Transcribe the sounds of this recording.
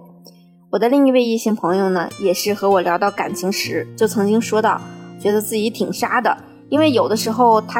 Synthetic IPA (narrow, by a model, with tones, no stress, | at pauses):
wɔ˨˩d̪ə˦li˥˧ŋi˥˧we˥˧ɪi˥˧ɕɛ˥˩ŋpʰɤ˧˥ŋjo˥˧ʊnə̰˩jɛ˨˩ʂɻ̩˥˩xɤ˧˥wɔ˨˩ljɑ˧˥ʊt̪ɑ˥˩ʊka̰˨˩nt͡ɕʰi˧˥ŋʂɻ̩˧˥t͡ɕjo˥˩ʊt͡sʰɤ˧˥ŋt͡ɕi˥ŋʂwɔ˥t̪ɑ˥˩ʊ˩t͡ɕɥɛ˧˥d̪ə˧t͡sɹ̩˥˩t͡ɕi˧˥t̪ʰi˨˩ŋʂa˥d̪ə˨ | i˥nwe˥˩ɪjo˨˩ʊd̪ə˦ʂɻ̩˧˥xo˥˧ʊt̪ʰa˥